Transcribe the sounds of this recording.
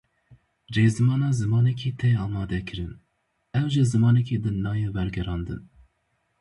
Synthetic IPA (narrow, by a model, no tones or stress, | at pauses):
reːzɨmɑːnɑːzɨmɑːnɛkʰiːt̪ʰɛɑːmɑːd̪ɛkʰɨɾɨn | ɛwʒɨzɨmɑːnɛkiːd̪ɨnɑːjeːwɛɾɡɛɾɑːnd̪ɨ̰n